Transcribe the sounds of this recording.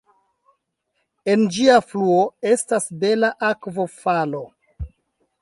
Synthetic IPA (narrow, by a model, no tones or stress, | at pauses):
e̞nd͡ʒiafluo̞e̞stasbe̞laʔakvo̞falo̞